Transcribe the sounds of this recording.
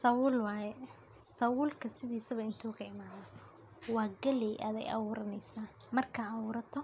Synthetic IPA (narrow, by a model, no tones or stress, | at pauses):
sɐwʊːlwɑːjɛ | sɐwʊːlkʰɐsɪðiːsɐβɐɪnt̪ʰuːkʰɐɪmaːðɐ | wɑːɡɐlɛjʔa̰ːðɛ̰jʔɐ̰wuːɾɐnɛjsaː | mɐrkʰɐɑβuːɾɐt̪ʰɔ